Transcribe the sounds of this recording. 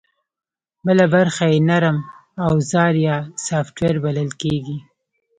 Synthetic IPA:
bəlabaɾxajenaɾəmawzɑɾjɑsɑfʈweɾbaləlkeɡi

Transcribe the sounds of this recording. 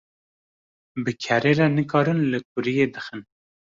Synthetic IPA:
bɨkʰɛɾeɾɛnɨkʰɑːɾɨnlɨk̚ʰʊɾijeːd̪ɨxɨn

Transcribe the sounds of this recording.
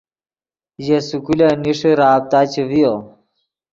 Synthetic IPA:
jesukuleniʂeɾaːb̚t̪aːt͡ɕewijo

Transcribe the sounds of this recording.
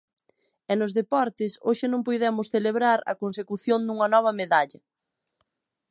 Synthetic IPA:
ɛnʊzðepɔɾt̪ɪsoʃɪnõŋpojðɛmʊsθeleβɾaɾɐ̰konsekuθjond̪uŋɐnɔβ̞ɐmeðaʎɐ

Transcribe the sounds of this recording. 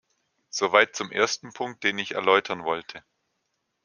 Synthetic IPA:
z̥ovaɪt̚t͡sʊmʔeːɐstn̩pʰʊŋk̚t̚d̥eːnɪçɛ̰ɐlɔʏtʰɐnvɔltʰə

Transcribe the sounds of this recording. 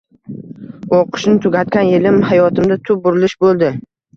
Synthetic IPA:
oqʰɨ̥ʃnɪt̪ʰʊɡʲat̪̚kʲanjelɪmhajɒt̪ʰɪmd̪at̪ʰʊp̚bʊɾɪlɪʃbolˠd̪ɪ

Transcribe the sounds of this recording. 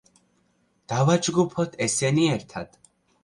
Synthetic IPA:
d̪̥avad͡ʒɡupʰɔt̪ʰɛsɛniɛɾt̪ʰad̪̥

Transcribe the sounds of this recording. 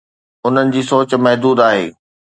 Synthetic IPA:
ʊn̤ənɪ̆d͡ʑiːsoːt͡ɕ̆mɛɦd̪uːd̪aːɦḛː

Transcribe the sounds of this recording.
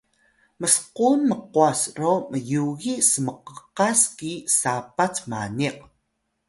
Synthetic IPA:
məsqunməquasroməjuɣisəməqəqaskisapat͡smaniq̚

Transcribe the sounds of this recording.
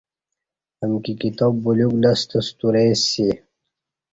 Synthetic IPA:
əmkikit̪obːuluɡlɐst̪əst̪uɾesi

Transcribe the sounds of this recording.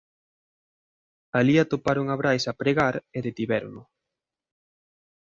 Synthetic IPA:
aliat̪opaɾʊŋaβɾajsapɾeɣaɾeðet̪iβɛɾnʊ

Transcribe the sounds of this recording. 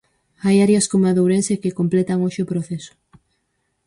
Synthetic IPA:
ajaɾjɐskomaðowɾensekekomplet̪aŋoʃɪʊpɾoθesʊ̥

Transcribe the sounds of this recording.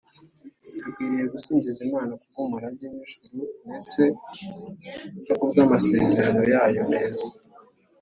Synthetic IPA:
akwiːɾije̞ɡusiːnzizimaːnakukomuɾaɟemiʒuɾunet͡se̞ | jokuβɡaːmase̞zeɾano̞jaːjo̞ne̞ːza

